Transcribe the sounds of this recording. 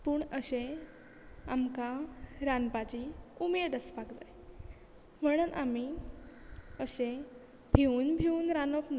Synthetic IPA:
puːɳəɕe | amkaɾanpat͡ɕiumed̪əspaɡd͡za̰j | m̤əɽ̃uːnʔa̰mi | əɕẽ | bʱiuːnbʱiuːnɾanopna

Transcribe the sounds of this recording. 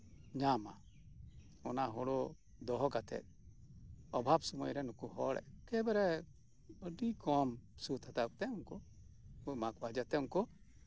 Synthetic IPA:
ɲama̰ | ɔnaɦɔɽɔ | d̪ɔɦɔɡat̪ʰɛ̰ | ɔbʱabsɔmɔjɾɛnukuɦɔ̰ɽɛ̰kɛbɛɾɛ | əɖikɔmsut̪at̪ak̚t̪ɛuŋkɔ | makwad͡ʒat̪ɛuŋkɔ

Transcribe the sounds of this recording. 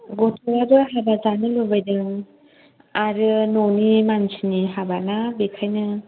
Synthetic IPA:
ɡɔtʰɔɾaɾɯɦabazanɯlubajdɯŋ | aɾɯnonimansiniɦabanabikʰajnɯ

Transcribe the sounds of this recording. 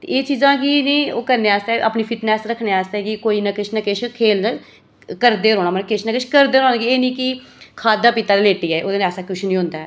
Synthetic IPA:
t̪ḛːeːt͡ʃiːzãːkiːnĩːoːkəɾneːaːst̪eːʔa̰ːpniːpʰɪt̪nɛːsɾəkʰneːaːst̪ɛːkɪkoːiːnakɪt͡ʃʰnəkɪʃʰkʰeːlnə | kəɾd̪eːɾoːnaːmənkɪt͡ʃʰnəkɪt͡ʃʰkəɾd̪eːɾõːnɡieːnĩːkɪ | kʰaːd̪aːpɪt̪aːd̪eːleːʈiːɛːʔoːd̪eːnaːsaːkʊʃʰnĩːɦʊ̃nd̪aːɛ̰ː

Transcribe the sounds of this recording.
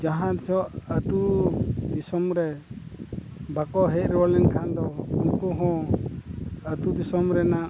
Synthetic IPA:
d͡ʒaɦãt̪sɔʔət̪ud̪isɔmɾɛ | bakɔɦɛt̪̚ɾɛwalɛnkʰand̪ɔunkuɦɔ̃ | ət̪ud̪isɔmɾɛnaʔ

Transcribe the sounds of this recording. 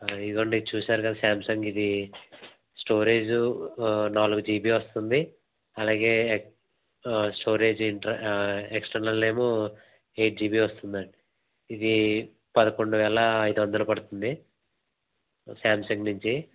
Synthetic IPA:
id̪ukɐɳɖiit͡ʃuːsaːɾukɐd̪ɐsaːmsɐŋɡid̪i | sʈoːɾe̞ːd͡ʒunaːluɡud͡ʒiːbiːʋɐst̪und̪i | ɐlaːɡe̞ː | sʈo̞ːɾe̞ːd͡ʒiɳʈɐeksʈɐɾnɐlne̞ːmoː | e̞ːjʈ̚d͡ʒiːbiːʋɐst̪und̪ɐɳɖi | id̪i | pɐd̪ɐko̞ɳɖuʋɛːɭɐːjd̪uʋɐnd̪ɐlupɐɽut̪und̪i | saːmsɐŋɡnuɲt͡ʃi

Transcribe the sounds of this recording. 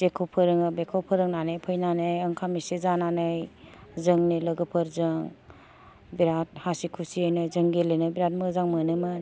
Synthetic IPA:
zekʰowpʰɯɾɯŋɯbekʰawpʰɯɾɯŋnanɯjpʰɯjnanɯjɐŋkʰamisezananɯjzɯŋniləɡɯpʰɯɾzɯŋ | biɾat̚hasikʰusiajnɯjzɯŋɡelenɯbiɾat̚mɯzaŋmɯnɯmɯ

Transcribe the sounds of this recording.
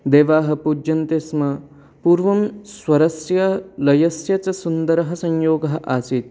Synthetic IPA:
d̪eːʋaːɦɐ̆puːd͡ʒɐnt̪esmɐ | puːɾʋɐmswɐɾɐsjɐlɐjɐsjɐt͡ʃɐsund̪ɐɾɐɦɐsɐɲjoːɡɐɦɐʔaːsit̪̚

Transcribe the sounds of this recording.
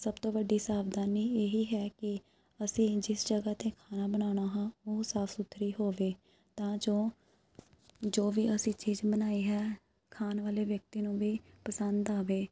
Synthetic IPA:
səbt̪õːʋəɖiːsaːʋd̪aːniːeːɦiːɦɛːkɪ | əsĩːd͡ʒɪsd͡ʒəɡaːt̪ẽːkʰaːnaːbənaːɽ̃aːɦãːoːsaːpʰsʊt̪ʰɾiːɦoːʋeː | t̪ãːd͡ʒoː | d͡ʒoːʋiːʔəsĩːt͡ʃiːzbənaːiːɦɛː | kʰaːnʋaːleːʋjək̚t̪iːnũːʋiːpəsənd̪aːʋeː

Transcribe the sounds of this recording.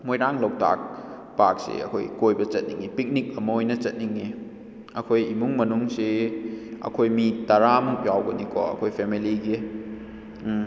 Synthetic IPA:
mojɾaŋlow̚ta̰k̚ | pak̚sḛɐ̰kʰo̰jkojbɐt͡ʃɐt̚nḭŋipik̚nik̚ɐmojnɐt͡ʃɐt̚niŋi | ɐkʰojimuŋmɐnuŋse | ɐ̰kʰojmitɐɾamuk̚jawɡɐnikʰɔ̰ɐ̰kʰojpʰemiliɡi

